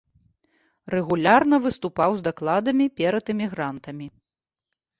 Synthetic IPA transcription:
rɛɣulʲarnɐvɨst̪upawzd̪aklˠad̪ɐmʲipʲɛɾɐt̪ɨmʲiɣɾant̪ɐmʲi

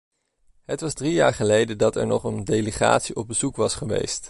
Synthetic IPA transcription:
ɦətʋɑzdrija̰ːɹχəlejdədɑtɛ̰ɹnɔχəndejləχa̰ːtsiʔɔb̚bəzukʋɑsχəʋḛjst

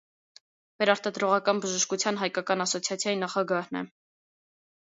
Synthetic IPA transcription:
vɛɾɑɾt̪ɑd̪ɾɔʁɑkɑnbəʒəʃkut͡sʰjɑnɦɑjkɑkɑnɑsɔt͡sʰjɑt͡sʰjɑjinɑχɑɡɑhnɛ̰

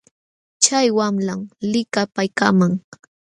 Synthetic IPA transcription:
t͡ʃajwamlamlɪkapajkamaŋ

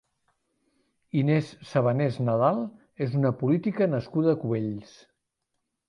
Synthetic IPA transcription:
inesːəβ̞əneznəð̞alˠ | ezunəpulit̪ikənəskuðəːkuβeʎs

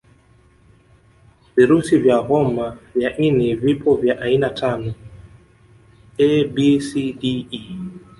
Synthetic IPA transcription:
viɾusivjaɣɔmavjaʔinivipʰɔvjaʔainatʰanɔ | ɛbisidii

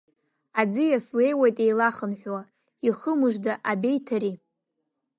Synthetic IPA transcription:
ad͡zɨjasle̞jwajtʼe̞jlaχənħʷᶣwa | iχəmɨʒdaʔabe̞jtʰaɾi

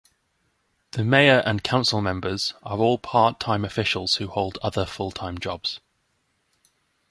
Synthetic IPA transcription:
ðəmeɪəɹʔə̃nkʰãʊ̃nsəlˠmɛ̃mbəz̥əɹɔːlˠpʰɑˑtʰãɪ̃məfɪʃəlˠz̥hʉhəʊlˠdʌðəfʊlˠtʰãɪ̃md͡ʒɒbz̥

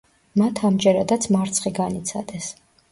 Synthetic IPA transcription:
mat̪ʰamd͡ʒɛɾad̪at̪sʰmaɾt̪sʰχiɡanit̪sʰa̰d̪ɛs

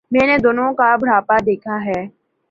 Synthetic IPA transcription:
mɛ̃ːned̪oːnõkabʱɽ̤aːpad̪eːkʰaɦɛː

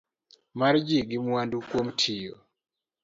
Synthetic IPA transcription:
maɾd͡ʒiɡɪmwwandukwomtʰijo

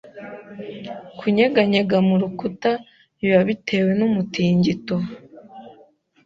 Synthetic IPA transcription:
kʰuɲeɡaɲeɡamuɾukuta | niβaβitʰe̞ːwe̞numutiːɲɟito

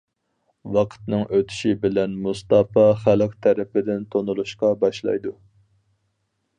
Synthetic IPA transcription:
wɑqʰə̥t̪nɨŋʔøt̪ʰy̥ʃibɪlɛnmust̪ɑpɑχælqt̪ʰæɾɪpɪd̪ɪnt̪ʰonulˠuʃqɑbɑʃlˠɑ̰jd̪u

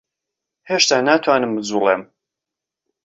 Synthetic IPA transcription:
heʃt̪aːnaːt̪ʰwaːnɨmbɨd͡zuːlˠeːm

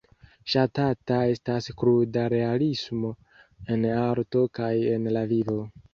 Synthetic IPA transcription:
ʃatatae̞staskɾudaɾe̞alismo̞ | e̞naɾto̞kaje̞nlavivo̞

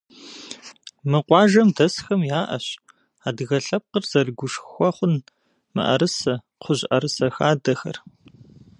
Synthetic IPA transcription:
mɨqʷɑːʒɐmdɐsxɐmjaːʔɐ̰ɕ | aːdɨɣɐɬɐp̚qərz̥ɐrɡʷʊʂxxʷɔχʷʊn | mɨ̰ʔɐ̰ɾɨsɐ | qʷʰʊʑʔɐɾɨsɐxaːdɐxɐ̰r

